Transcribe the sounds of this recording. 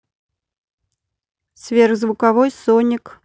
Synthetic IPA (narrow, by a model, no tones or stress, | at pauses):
svʲerɣzvʊkavɔjsɔnʲɪk